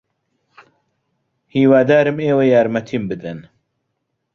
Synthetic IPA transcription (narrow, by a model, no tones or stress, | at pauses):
hiːwaːd̪aːɾɨmeːwɐjaːɾmɐt̪ʰimbɨd̪ɐn